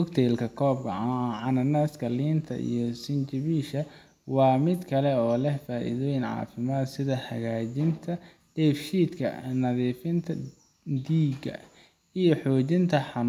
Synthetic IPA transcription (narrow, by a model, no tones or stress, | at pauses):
ʊkt̪ʰɛːlkʰɐkʰɔːb̚kʰɐ̰ʕɑnɐnaːskʰɐliːnt̪ʰɐ̰ʔḭjɞsɪnt͡ʃɪβiːʃɐ | wɑːmɪd̪kʰɐlɛɔːlɛhfaːʔḭðɔːjɪnʕɑ̰ːfɪmaːd̪sɪðɐħɐ̰ɣaːt͡ʃɪnt̪ʰɐ | ɖ̥ɛːfʃiːd̪kʰɐ̰nɐðiːfɪnt̪ʰɐ | d̪iːɡɐ̰ | ijɞħɔːt͡ʃɪnt̪ʰɐħɑn